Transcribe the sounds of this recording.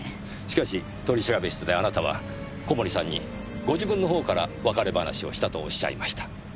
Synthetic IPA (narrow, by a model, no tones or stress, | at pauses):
ɕi̥kaɕi | t̪o̞ɾʲiɕiɾabeɕi̥t̪od̪e̞anat̪aβ̞a̰ | ko̞mo̞ɾʲisãɲ̟ːi | ɡo̞ʑibɯ̃nːo̞ɦo̞ːkaɾaβakaɾe̞bana̰ɕio̞̰ɕi̥t̪at̪o̞ːɕːa̰ḭmaɕi̥t̪ḁ